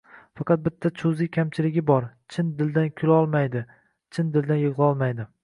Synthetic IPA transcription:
fɑqɑt̪̚bɪt̪ʰːat͡ʃʰʊzikʲʰamt͡ʃʰɪlɪɡʲɪbɒɾt͡ʃʰɪnd̪ɪld̪ankʲʰʊlɒlˠmajd̪ɪ | t͡ʃʰɪnd̪ɪld̪anjɨʁlˠɒlˠmajd̪ɪ

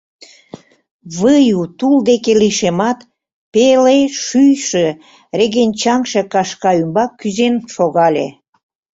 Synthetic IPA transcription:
βəjut̪uld̪ekeliʃemɑt̪ | peleʃyjʃĕ | reɣent͡ɕɑŋʃĕkɑʃkɑymbɑkːyzenʃoɣɑlʲḛ

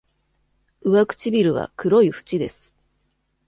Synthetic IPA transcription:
ɯ̟βakɯ̟̥t͡ɕibʲiɾɯ̟β̞a̰kɯ̟ɾo̞iɸɯ̟̥t͡ɕid̪e̞sɨ̥

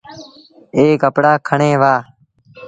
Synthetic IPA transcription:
eːkəpɽaːkʰəɳẽːʋaː

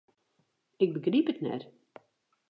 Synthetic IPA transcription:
ɪk̚bəɡripətnɛ̰t

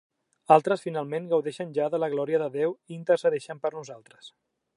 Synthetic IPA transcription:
alˠt̪ɾəsfinalˠmenɡəwðɛʃənʲʒaðələɣlɔɾiəðəðewiːnt̪əɾsəðɛʃəmpəɾnuzalˠt̪ɾəs

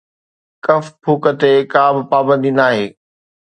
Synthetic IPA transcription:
kɐfpʰuːkət̪ekaːbɪpaːbə̃nd̪iːnaːɦeː

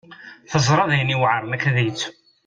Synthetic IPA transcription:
θəzˤɾˤɑðjəniwʕəɾˤnækæðit͡sː

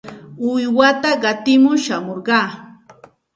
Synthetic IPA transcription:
ʊjwat̪aɢɑt̪ɪmʊʃamoɾɢɑː

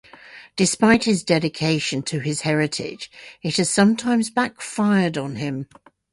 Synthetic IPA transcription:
d̥ɨspaɪt̚hɪzdɛɾɪkʰeɪʃɨ̃ntʰɨɪz̥hɛɹɪtʰɪ̰̥d͡ʒɪt̚hɨz̥sʌ̃mtʰãɪ̃mzbækfaɪədn̩ɪ̃m

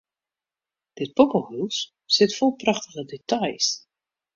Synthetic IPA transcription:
d̥ɪt̚pokəhus | sɪtfolˠprɑχtəχədetajs

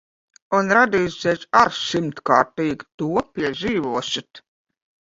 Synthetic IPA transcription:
unɾad̪iːsʲɛjsaɾʃimt̪kɑːɾt̪iːɡt̪uɔpʲiɛʒiːvuɔʃit̪

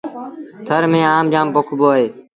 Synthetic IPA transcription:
t̪ʰəɾmẽːaːmd͡ʒãːmpokʰboːeː

